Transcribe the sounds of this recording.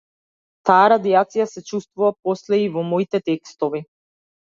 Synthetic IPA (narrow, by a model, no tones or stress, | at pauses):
t̪aaɾad̪iat̪sijasɛt͡ʃust̪vuvapɔslɛivɔmɔit̪ɛt̪ɛkst̪ɔvi